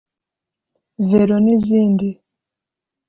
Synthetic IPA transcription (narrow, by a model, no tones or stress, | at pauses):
veɾoniziːndi